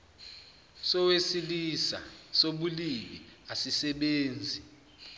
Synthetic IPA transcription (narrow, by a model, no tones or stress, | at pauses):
sɔwesilisa̰soɓuliɓiasisɛɓeːnd͡zʱi